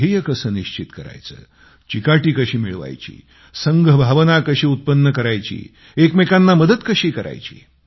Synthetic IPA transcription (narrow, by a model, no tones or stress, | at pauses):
ɦejəkəsəːniɕt͡ɕit̪kəɾa̰jt͡sə̰ː | t͡ɕikaʈiːkəɕiːmiɭʋa̰jt͡ɕḭː | səŋɡʱəbʱaʋnakəɕiːut̪̚pənːəkəɾajt͡ɕḭː | ekmekanːaməd̪ət̪kəɕiːkəɾa̰jt͡ɕḭː